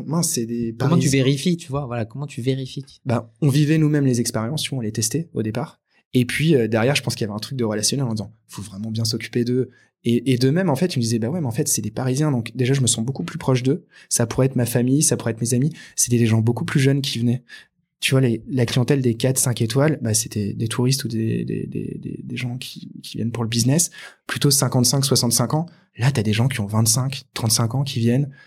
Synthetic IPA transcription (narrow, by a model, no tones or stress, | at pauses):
mɛ̃sɛd̪epaɔmɑ̃it̪yveʁifit̪yvwavwalakɔmɑ̃t̪ʰyveʁifi | baɔ̃vivɛnumɛmlezɛkspeʁjɑ̃st̪yvwaɔ̃let̪ɛst̪ɛo̰d̪epaʁ | epʰɥiød̪ɛʁjɛʁʒəpɑ̃skiljavɛɛ̃t̪χyk̚d̪əʁəlasjɔnɛɑ̃d̪izɑ̃ | fovʁɛmɑ̃bjɛ̃s̬ɔkʲy̥ped̪ə | eed̪əmɛmɑ̃fɛt̪iməd̪izɛbawɛmeɑ̃fɛt̪sɛd̪epaʁizjɛ̃d̪ɔ̃kd̪eʒaʒəməsɑ̃bokuplypχɔʃd̪ə | sapuʁɛɛt̪χmafamijsapuʁɛt̪χmezamise̥t̪ɛd̪eʒɑ̃bokuplyʒœnk̬ʲʰivənɛ | t̪yvwalelaklijɑ̃t̪ɛld̪ekat̪sɛ̃ket̪walbase̥t̪ɛd̪et̪ʰuʁist̪ud̪ḛd̪ḛd̪ḛd̪ḛd̪ḛʒɑ̃kʲʰi̥kʲʰivjɛnpuʁləbiznɛsplyt̪osɛ̃kɑ̃t̪sɛ̃kswasɑ̃t̪sɛ̃kɑ̃ | lat̪yad̪eʒɑ̃kʲiɔ̃vɛ̃t̪sɛ̃kt̪χɑ̃t̪sɛ̃kɑ̃kʲʰivjɛn